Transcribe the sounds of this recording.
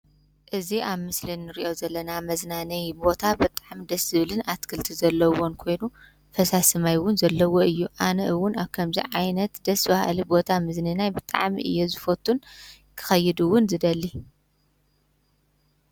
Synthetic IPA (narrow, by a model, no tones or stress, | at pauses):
ʔɨziʔaβmɨslinːɨɾiʔo̞zɐlːɐnamɐznanɐjbo̞t̪ʰabɨt̪ʼaʕmid̪ɐsɨβlɨnat̪kʰɨlt̪ʰizɐlːɐwo̞nkʰo̞jnu | fɐsasɨmajwʊnzɐlːɐwo̞ɨjːuʔanɐʔɨwʊnaβkʰɐmzḭʕajnɐt̪d̪̥ɐsbaha̰libo̞t̪ʰamɨzninajbɨt̪ʼa̰ʕmḭʔɨ̰jːozɨfot̪ʰːun | kʰɨ̥xɐjːɪd̪uwʊnzɨd̪ɐlːi